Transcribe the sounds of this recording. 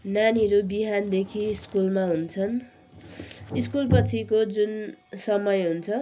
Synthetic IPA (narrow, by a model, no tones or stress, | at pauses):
naniʌɾubiɦand̪ekʰiːskulmaɦunt͡sʰʌn | iskulpʌt͡sʰikod͡zunsʌmʌjɦunt͡sʰʌ